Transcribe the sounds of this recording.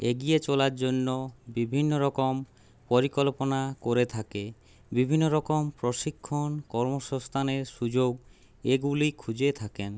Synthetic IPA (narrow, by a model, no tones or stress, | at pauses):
eɡiet͡ɕolaɾd͡ʑonːobibʱinːoɾɔkom | poɾikolponakoɾet̪ʰake | bibʱinːoɾɔkompɾoʃikʰːonkɔɾmoʃɔst̪ʰaneɾʃud͡ʑoɡ | eɡulikʰud͡ʑet̪ʰaken